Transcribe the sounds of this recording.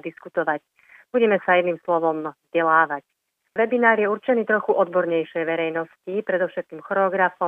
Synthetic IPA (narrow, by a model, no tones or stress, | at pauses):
d̪iskut̪ɔʋac | b̥uɟɛmɛsajɛnimslɔʋɔmzɟɛlaːʋac | ʋɛbinaːɾjɛuɾt͡ʃɛniːt̪ɾɔxuʔɔd̪bɔɾɲɛjʃɛjʋɛɾɛjnɔscipɾɛd̪ɔʊʃɛt̪̚kiːmxɔɾɛɔɡɾafɔ